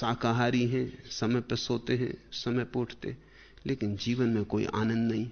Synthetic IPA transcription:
saːkaɦaːɾiɦɛ̃sɐməjpesoːt̪eɦɛ̰̃sɐməjpoːʈʰt̪ḛɦɛ̃ | leːkɪnd͡ʒiːʋənmẽkoːḭʔa̰ːnə̃nd̪nɐɦĩ

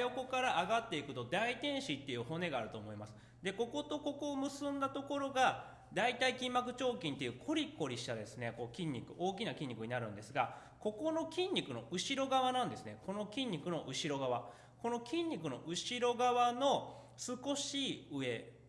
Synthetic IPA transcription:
jo̞ko̞kaɾaʔːɡat̪ːe̞ikɯ̟t̪o̞d̪ait̪ẽ̞ɰ̃ɕit̪ːe̞jɯ̟ːho̞ne̞ɡaːɾɯ̟t̪oːmo̞imasɨ̥ | d̪e̞ko̞ko̞t̪o̞ko̞komɯ̟sɨ̃nd̪at̪o̞ko̞ɾo̞ɡa | d̪ait̪aikʲĩmːakɯ̟t͡ɕo̞ːkʲĩnt̪e̞jɯ̟kʰo̞ɾʲikːo̞ɾʲiɕi̥t̪ad̪e̞sɨne̞ko̞kʲĩɲ̟ʲːikɯ̟ʔo̞ːk̬ʲinakʲĩɲ̟ːikɯ̟ɲ̟inaɾɯ̟̃nd̪e̞sɨɡa | ko̞ko̞no̞kʲĩɲ̟ʲːikɯ̟no̞̰ʔɯ̟ɕiɾo̞ɡaβanãnd̪e̞sɨne̞ko̞no̞kʲĩɲ̟ːikɯ̟no̞ʔɯ̟ɕiɾo̞ɡaβa | ko̞no̞kʲĩɲ̟ʲːikɯ̟no̞̰ʔɯ̟ɕiɾo̞ɡaβano̞ | sɨko̞ɕiːɯ̟e̞

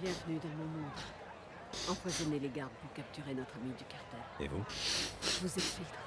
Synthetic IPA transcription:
bjɛ̃vnyd̪ɑ̃mɔ̃mɑ̃d̪i | ɑ̃pwazɔneleɡaʁd̪puʁkap̚t̪yʁenɔt̪χamid̪ykaʁt̪ɛḛvu | vuzɛt̪filt̪χ

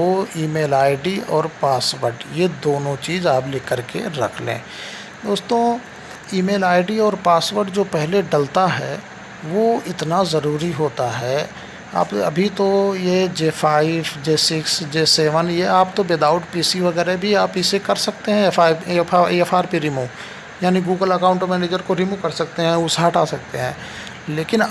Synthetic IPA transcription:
oiːmeːlaːɪɖiɔːɾpaːsʋəɾʈjed̪oːnõt͡ʃiːzaːpleːkəɾkḛɾɐ̰kʰlḛ̃ː | d̪oːst̪õː | iːmeːlaːɪɖiɔːɾpaːsʋəɾʈd͡ʒoːpɛɦleɖɐlt̪aɦɛː | ʋoɪt̪nazɐɾuːɾiɦoːt̪aɦɛː | a̰ːpɐ̰bʱit̪ojed͡ʒeːfʰaːɪbd͡ʒeːsɪksd͡ʒeːseːʋənjeaːp̚t̪obɪd̪aːʊʈpiːsiʋɐɡɛːɾebʱiaːpɪsekɐɾsɐk̚t̪eɦɛ̃faːaɛfʰaːɾpiɾɪmũ | jaːniɡuːɡəlɐkaːʊ̃ɳʈmɛ̃ːneːd͡ʒəɾkoɾɪmũkɐɾsɐk̚t̪eɦɛ̃ʊsɦaːʈaːsɐk̚t̪eɦɛ̃ː | leːkɪn

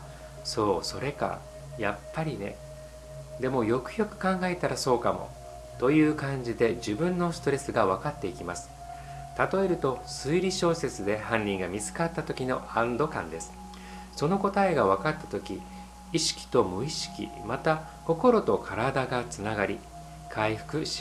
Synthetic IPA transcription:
so̞ːso̞ɾe̞ka̰ | japːaɾʲine̞̰ | d̪e̞mo̞jo̞kɯ̟̥jo̞kɯ̟̥kãŋɡae̞t̪aɾaso̞ːkamo̞̰ | t̪o̞jɯ̟ːkãɲ̟d͡ʑid̪e̞d͡ʑibɯ̟̃nːo̞sɨ̥t̪o̞ɾe̞sɨɡaβ̞akat̪ːe̞ikʲimasɨ̥ | t̪at̪o̞e̞ɾɯ̟t̪o̞sɨiɾʲiɕo̞ːse̞t͡sɨd̪e̞hãɲʲːĩŋɡamʲizɨ̥kat̪ːat̪o̞kʲino̞ãnd̪o̞kãnd̪e̞sɨ̥ | so̞no̞ko̞t̪aeɡaβ̞akat̪ːḁt̪o̞kʲi | iɕi̥kʲi̥t̪o̞mɯ̟iɕi̥kʲḭmat̪a | ko̞ko̞ɾo̞t̪o̞kʰaɾad̪aɡat͡sɨnaɡaɾʲi | kʰaiɸɯ̥kɯ̟ɕi̥

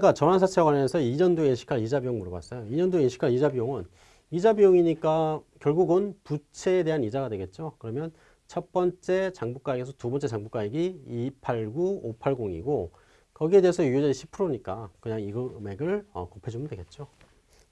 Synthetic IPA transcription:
ɡ͈at͡ɕʌnɦansʰatʰewawajʌnsʰʌiɲʌndoinɕʰi̥kʰaɭid͡ʑabijoŋmuɾɯɡa̰s͈ʌjoiɲʌndoinɕʰi̥kʰaɭid͡ʑabijoŋɯn | id͡ʑabijoŋiɲik͈akjʌɭɡuɡɯnput͡ɕʰe̞ːde̞ɦanid͡ʑaɡadwe̞ɡe̞t̚t͡ɕ͈okɯɾʌmjʌn | t͡ɕʰʌp͈ʌnt͡ɕ͈e̞t͡ɕaŋbuk͈aeɡesʰʌtubʌnt͡ɕ͈e̞t͡ɕaŋbuk͈aeɡiipʰaɭɡuopʰaɭɡoŋḭɡo | kʌɡie̞deesʰʌujod͡ʑʌɾiɕʰi̥pʰɯɾoɲik͈akɯɲaŋiɡʌme̞ɡɯɭʌ̰kopʰe̞d͡ʑumɯndweɡe̞t̚t͡ɕ͈o

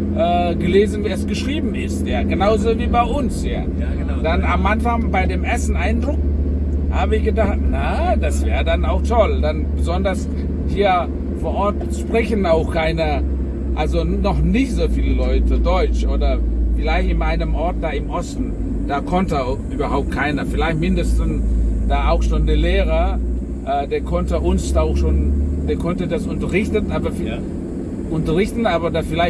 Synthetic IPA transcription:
ʔɛːɡəleːzn̩veːɛsɡ̥əʃʁ̥iːbm̩ɪstjaːɡənaʊzoviːbaɪʔʊnsja̰ː | d̥anamʔanfaŋbaɪdeːmʔɛɐsn̩ʔaɪndʁʊk | haːbəɪçɡ̥ədaχtnad̥asv̥ɛːʁədanaʊxtʰɔldanbəzɔndɐs | hiːɐ | foːɐʔɔɐt | ʃpʁ̥ɛçn̩aʊxkʰaɪnə | ʔalzonɔχnɪçtz̥oːfiːləlɔʏtʰədɔʏt͡ʃʔoːdɐfɪlaɪçtɪnʔaɪnəmʔɔɐt̚d̥aːɪmʔɔstn̩ | d̥aːkʰɔntəaʊxʔyːbɐhaʊp̚t̚kʰaɪnɐfɪlaɪçtmɪndəstn̩sd̥aːaʊxʃoːndeːɐleːʁɐ | ʔɛːdeːɐkʰɔntəʔʊnsaʊxʃoːnd̥eːɐkʰɔntədasʊntɐʁɪçtənʔaːbɐfi | ʔʊntɐʁɪçtn̩aːbɐdaːfɪlaɪ

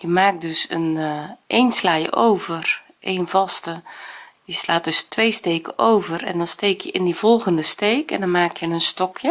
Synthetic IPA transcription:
jəmaːk̚døsənʔeːnslaːjə̰ʔowvər | ʔeːnvɔstə | jəslaːt̚døstʋeːsteːkəʔoːvərɛ̰ndɔnsteːkʰjəʔɪndiv̥ɔlˠɣəndəsteːkɛndɔnmaːkjənənstɔkʰjə

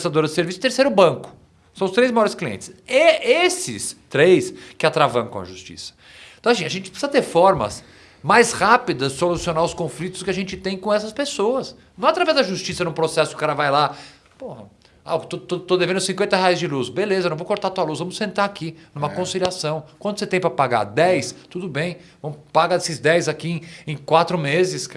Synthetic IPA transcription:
st̪ad̪oɾɐzd͡ʒɪseɾvisʊɪ̥t̪eɾsejɾʊbɐ̃ŋkʊ̥ | sɐ̃w̃ʊst̪ɾejzmajɔɾɪskliḛ̃nt͡ʃɪ̥sɛesɪ̰st̪ɾejskɪat̪ɾavɐ̰̃kɐ̰̃w̃ɐ̰ʒust͡ʃḭsɐ̥ | t̪w̃asĩɐʒẽnt͡ʃɪ̥psizɐt̪eɾfɔɾmɐ̰s | majshapid̪ɐzd͡ʒɪsolusionaʊskõflit̪ʊ̥skɪaʒẽnt͡ʃɪt̪ẽj̃kõɛsɐspesoɐs | nɐ̃w̃ɛat̪ɾavɛzd̪ɐʒust͡ʃisɐnũpɾosɛsʊʊ̥kaɾɐvajla | pohɐ | at̪ot̪ot̪od̪evẽnd̪ʊsĩŋkwẽnt̪ɐheajzd͡ʒɪlusbelezɐñw̃vokoɾt̪at̪uɐlusvɐ̃mʊsẽnt̪ɾaɾakinũmɐkõsiliasɐ̃w̃kwɐ̃nd̪ʊset̪ẽj̃pɾɐpaɡa̰ɾd̪ɛjst̪ud̪ʊbẽj̃vɐ̃mʊpaɡaesɪzd̪ɛjzakiẽẽj̃kwat̪ɾʊmezɪsk

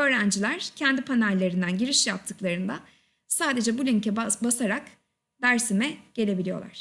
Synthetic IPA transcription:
ø̞ːɾænd͡ʒilʲæɾ̥cʰɛnd̪ipʰanælʲːe̞ɾind̪ænɟiɾiʃjap̚t̪ʰːɯklˠaɾɯnd̪a | saːd̪e̞d͡ʒɛbulʲyɲcɛbasaɾak | d̪æɾsimɛɟ̥e̞lʲe̞bilʲijo̞̰lˠa̰ɾ̥

